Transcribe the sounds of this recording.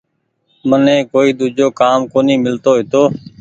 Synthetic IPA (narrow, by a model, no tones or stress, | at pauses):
mənẽːkoːiːd̪ud͡ʒoːkaːmkoːniːmɪlt̪oːɦɪt̪oː